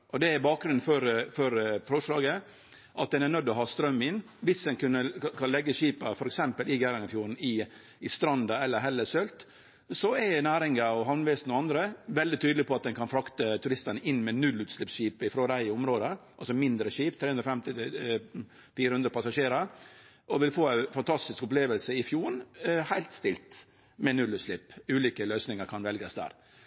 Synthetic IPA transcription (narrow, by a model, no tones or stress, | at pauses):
ʔɔd̪ɛæɾbɑːk̚ɡɾʉnn̩fɔɾfɔɾfɔʂlɑːɡə | ʔɑt̪̚d̪ɛnænœd̪ːɔɦɑːst̪ɾœmːɪn | ʋɪsd̪ɛnkʰʉnːəkʰɑnlɛɡːəʂiːpɑfɔɾɛksɛmpəlɪɡæɪɾɑŋəfjuːɾɳ̩ɪ | ɪst̪ɾɑnd̪ɑɛlːəɾɦɛlːəsœlt̪ | sɔɛnæːɾɪŋəɔɦɑʋnʋɛsnɔɑnd̪ɾəʋɛld̪ɪt̪ʰyːd̪lɪpʰɔɑt̪̚d̪ɛnkʰɑnfɾɑkt̪ət̪ʰʉɾɪst̪ənəʔɪnːmɛnʉlːʉːt̪slɪpsʃiːpəɪfɾoːɾæɪʊmɾoːd̪əʔɑlsɔmɪnd̪ɾəʃiːpt̪ʰɾeːʉnɾɔfɛmt̪ɪ | fiːɾəhʉnd̪ɾəpɑsɑʂeːɾəɾ | ɔʋɪlfoːæɪfɑnt̪ʰɑst̪ɪskʊpleːʋəlsəɪfjuːɾɳhæɪlt̪st̪ɪlt̪ | mɛnʉlːʉːt̪slɪpːʉːliːkəløʏsnɪŋəɾkʰɑnʋɛlɡəsd̪æ̰ːɾ